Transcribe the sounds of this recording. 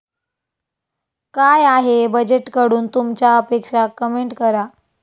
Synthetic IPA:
kajaɦebəd͡ʑeʈkəɽuːnt̪umt͡ɕjaəpekʂakəmeɳʈkəɾa

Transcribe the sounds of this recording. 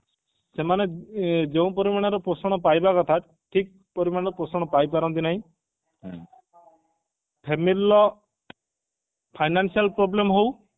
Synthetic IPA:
semaned͡ʒeũpɔɾimaɽ̃aɾɔpɾosɔɽ̃ɔpajbakɔt̪ʰa | ʈʰik̚ | pɔɾimaɽ̃ɔɾɔpɾosɔɽ̃ɔpajpaɾɔnt̪̬inaɦĩ | pʰemilːɔ | pʰajnansialpɾoblemɦow

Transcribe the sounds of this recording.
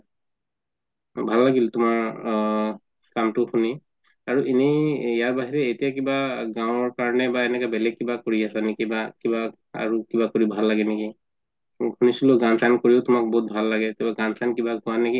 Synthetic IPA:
bʱalːaɡiltʊmaɹ | kamtʊxʰuni | aɹuʔinɛjaɹbaɦiɹɛetijak̬ibaɡaʊ̃ɔɹkaɹɔnɛbaenɛkɛbɛlɛɡ̚kːibakoɹiasanekibakiba | a̰ɹukibakoɹibʱalːaɡɛneki | kʰunisilʊɡansʰankoɹiʊtʊmak̚bɔɦut̪̚bʱalːaɡɛtbɛɡansʰankibakʊaneki

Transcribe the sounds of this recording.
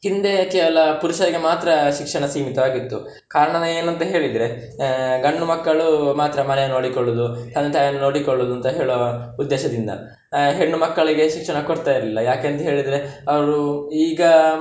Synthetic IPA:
ɦind̪e̞keːʋɐlɐpuɾuʃɐɾiɡe̞maːt̪ɾɐʃikʂɐɳɐsiːmit̪ɐʋaːɡit̪ːu | kaːɾɐɳɐnɐeːnuɐnt̪ɐɦe̞ːɭid̪ɾe̞ | ɡɐɳːumɐkːɐɭumaːt̪ɾɐmɐnɛjɐnoːɽikoɭːud̪ut̪ɐnd̪ɐt̪aːjɐnːunoːɽikoɭːud̪uɐnt̪ɐɦeːɭoud̪ːeːʃɐd̪ind̪ɐ̰ | ɦeɳːumɐkːɐɭiɡe̞ʃikʂɐɳɐkoɽt̪aːjiɾɐlilːɐjaːkeːnt̪ɐɦe̞ːɭid̪ɾe̞ɐʋɐɾuiːɡɐ

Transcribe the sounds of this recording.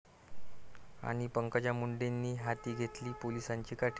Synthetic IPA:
a̰ɽ̃ipəŋkat͡ɕjamuɳɖenːiːɦat̪iːɡʱet̪liːpolisaɲt͡ɕiːkaʈʰ

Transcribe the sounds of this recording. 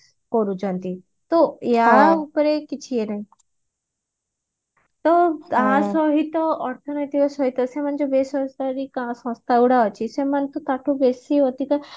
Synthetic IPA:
kɔɾud͡ʒɔ̃nt̪i | t̪ɔjaupɾekit͡ʃʰienaɦĩ | t̪ɔt̪asɔɦit̪ɔɔɾt̪ʰɔnɔjt̪ikɔsɔɦit̪ɔsemand͡ʒobesɔsd̪aɾikãsɔ̃st̪ʰauɽaɔt͡ʃʰisemant̪ot̪aʈʰubesiɦot̪ika

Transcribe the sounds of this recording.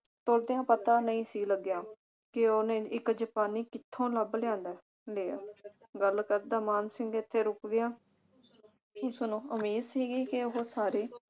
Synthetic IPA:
t̪oːɾd̪ɪjãːpət̪ãːnəĩːsiːləɡːjãː | kɪoːnẽːɪkd͡ʒəpaːniːkɪt̪ʰːõːləblɪjãːnd̪ɛː | leːa̰ | ɡəlkəɾd̪aːmaːnsɪŋɡɪt̪ʰːeːɾʊkɡɪjãː | ʊsnũːəmiːd̪siːɡiːkɪʊɦoːsaːɾeː

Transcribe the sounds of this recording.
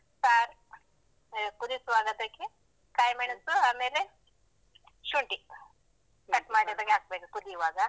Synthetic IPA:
saɾ | pud̪isʋaːɡɐd̪ɐki | kaːjmeɳsuaːmeɾe | ʃuɳʈi | kɐʈmaːɽid̪ɐɡaːk̚bekipud̪iʋaːɡa

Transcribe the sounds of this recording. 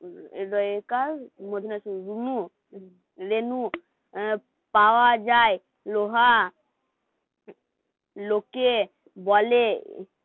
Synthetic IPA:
ɾɔkaɾmod̪ʱinasuɾunu | ɾenu | pawad͡ʒaj | loɦa | loke | bɔle

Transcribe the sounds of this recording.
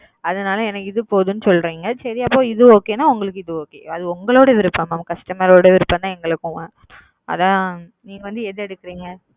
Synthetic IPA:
ɐðɐnaːlɐ̃ɛnɐkːɪðɯpoːðɯnːɯsɔlːɾiːŋɡɐsɐɾiapːoːɪðɯoːkeːnaːʊŋɡɐɭɯkːɪðɯoːkḛːɐðɯʊŋɡɐɭoːɽɐʋɪɾɯpːamaːmkɐʂʈɐmɐɾoːɽɐʋɪɾɯpːɐnt̪ãːɛŋɡɐɭɯkːʊ̃ | ʔɐ̰ðãː | niːŋɡɐʋɐnd̪ɯɛðɯɛɽɯkːɪɾiːŋɡɐ

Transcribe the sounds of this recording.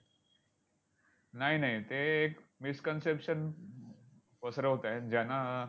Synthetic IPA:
naɦinaɦit̪eːkmiskənsepɕən | pəsɾəɦot̪ajd͡ʑana

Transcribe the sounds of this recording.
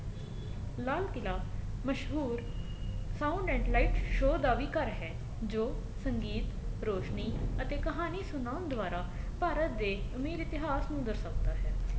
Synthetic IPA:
laːlkɪlaːməʃɦuːɾ | sãːʊɳɖɛ̃ːɳʈlaiːʈʃoːd̪aːʋiːkəɾɦɛː | d͡ʒoː | səŋɡiːt̪ɾoːʃniːət̪eːkəɦaːniːsʊnaːʊnd̪ʊʋaːɾaː | paːɾət̪̚d̪eːəmiːɾɪt̪ɪɦaːsnũːd̪əɾsəkd̪aːɦɛː

